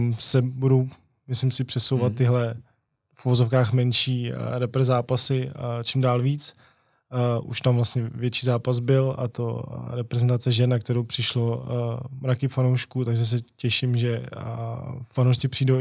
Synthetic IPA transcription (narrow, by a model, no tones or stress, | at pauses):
msɛbudo̞w | mɪslɪmsɪpr̥ɛsowvat̪ːɪɦlɛ | fʔuvozofkaːxmɛnʃiːɾɛpɾɛzaːpasɪt͡ʃimdaːlviːt͡s | ʔṵʃt̪amvlast̪ɲɛvjɛt̪t͡ʃiːzaːpazbɪla̰t̪oɾɛpɾɛzɛnt̪at͡sɛʒɛnːakt̪ɛɾowpr̥ɪʃlomɾakɪfanowʃkut̪aɡʒɛs̬ɛcɛʃɪmʒɛ | anowʃt͡sɪpr̥iːdow